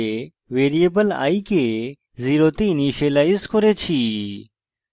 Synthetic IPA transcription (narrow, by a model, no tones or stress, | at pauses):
e | ʋeːɾijebəla̰ːiːkeː | ziːɾoːt̪iːniːʃeːlaːɪskʰoɾeːt͡ʃʰiː